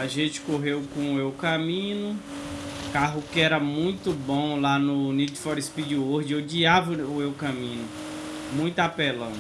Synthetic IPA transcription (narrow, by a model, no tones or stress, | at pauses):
aʒẽt͡ʃɪ̥koɦewkõewkɐmĩnʊ | kaɦʊkɪɛɾɐmũj̃t̪ʊbõlanʊnid͡ʒfɔɾispid͡ʒoɾd͡ʒɪod͡ʒiavɐʊewkɐ̃mĩnʊ | mũj̃t̪apelɐ̃